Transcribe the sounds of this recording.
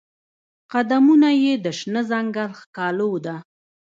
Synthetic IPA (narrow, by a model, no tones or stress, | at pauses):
qad̪amunajed̪əʃnəzaŋɡalxkɑlowd̪a